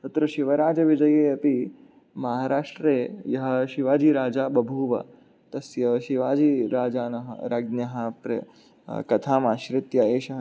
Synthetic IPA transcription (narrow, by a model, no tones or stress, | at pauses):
t̪ɐt̪ɾɐʃɪʋɐɾaːd͡ʒɐʋɪd͡ʒɐjeːɐpi | mɐɦaːɾaːʂʈɾeːjɐɦɐ̆ʃɪʋaːd͡ʒiɾaːd͡ʒaːbɐbʱuːʋɐ̰ | t̪ɐsjɐʃɪʋaːd͡ʒiɾaːd͡ʒaːnɐɦɐ̰ɾaɡnjɐɦɐpɾɐ̰ | kɐt̪ʰaːmaːʃɾɪt̪jɐeːʃɐɦ